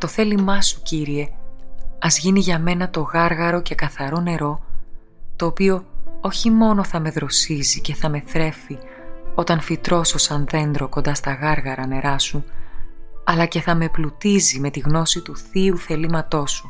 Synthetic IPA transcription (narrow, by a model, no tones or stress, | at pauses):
t̪o̞θe̞limɐsu̥ciɾie̞ | ɐzʝiniʝɐme̞nɐt̪o̞ɣɐɾɣɐɾo̞ce̞kɐθɐɾo̞ne̞ɾo̞ | t̪o̞ːpio̞o̞çimo̞no̞θɐme̞ðɾo̞sizice̞θɐme̞θɾe̞fi | o̞t̪ɐnfit̪ɾo̞so̞sɐnðe̞nd̪ɾo̞kond̪ɐst̪ɐɣɐɾɣɐɾɐne̞ɾɐsu | ɐlɐce̞θɐme̞plut̪izime̞t̪iɣno̞sit̪uθiuθe̞limɐt̪o̞su̥